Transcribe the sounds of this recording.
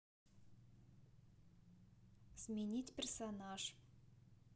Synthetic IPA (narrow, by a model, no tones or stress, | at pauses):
smʲɪnʲitʲpʲersonaʂ